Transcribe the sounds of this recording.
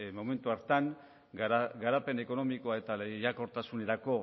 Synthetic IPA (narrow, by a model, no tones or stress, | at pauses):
mo̞me̞nt̪uaɾt̪aŋ | ɡaɾape̞ne̞ko̞no̞miko̞ae̞t̪alejako̞ɾt̪asune̞ɾako̞